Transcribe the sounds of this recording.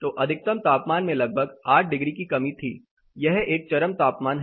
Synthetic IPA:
t̪oːʔɐd̪ʱɪk̚t̪əmt̪aːpmaːnmẽlɐɡ̚bʱəɡaːʈ̚ʰɖɪɡɾikikɐmit̪ʰḭː | jɛɦeːk̚t͡ʃɐɾəmt̪aːpmaːnɦ

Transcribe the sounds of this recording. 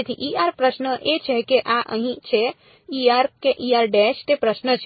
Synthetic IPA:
et̪ʰiʔiaɾpɾəsnəʔet͡ʃʰekeʔaʔə̰ɦĩt͡ʃʰe | iaɾkeʔiaɾɖɛst̪epɾəsnət͡ʃʰ

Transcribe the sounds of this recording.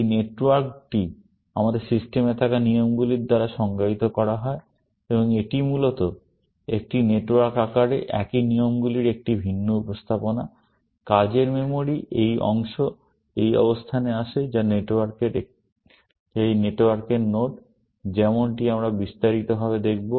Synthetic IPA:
ejneʈwaɾk̚ʈi | a̰mad̪eɾsisʈemet̪ʰakanijomɡuliɾd̪aɾaʃɔŋɡait̪okɔɾaɦɔe | eboŋeʈimulot̪o | ek̚ʈineʈwaɾkakaɾeʔɛkinijomɡuliɾek̚ʈibʱinːoupost̪ʰapona | kad͡ʑeɾmemoɾiʔejʔɔ̰ŋʃo | ejɔ̰bost̪ʰaneaʃed͡ʑaneʈaɾkeɾe | ejneʈwaɾkeɾnoʈ | d͡ʑɛmonʈiamɾabist̪aɾit̪obʱabed̪ek̚ʰbo

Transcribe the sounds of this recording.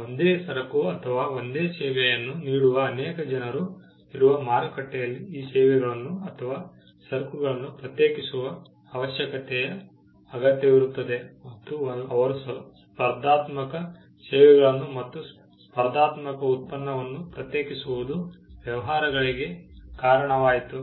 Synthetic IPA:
ond̪eːsɐɾɐkuɐt̪ʰɐʋaːond̪eːsɛːʋɛjɐnːuniːɽuʋɐːnɛːkɐd͡ʒɐnɐɾu | iɾuʋɐmaːɾɐkɐʈːɛjɐlːiiːsɛːʋɛɡɐɭɐnːuɐt̪ʰɐʋaː | sɐɾkuɡɐɭɐnːupɾɐt̪jeːkisuʋɐː | ʋɐʃjɐkɐt̪ɛjɐ | ɐɡɐt̪jɐʋiɾut̪ːɐd̪e̞mɐt̪ːuɐʋɐɾusspɐɾd̪aːt̪mɐkɐ | sɛːʋɛɡɐɭɐnːumɐt̪ːu | spɐɾd̪aːt̪mɐkɐut̪̚pɐnːɐʋɐnːupɾɐt̪jeːkisuʋud̪uʋjɐʋɐɦaːɾɐɡɐɭiɡe̞kaːɾɐɳɐʋaːjit̪u

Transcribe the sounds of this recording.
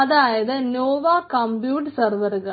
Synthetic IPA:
ɐðaːjɐðɨnoːʋaːkɐmbjuːʈːsɐrʋɐɾɨɣɐ

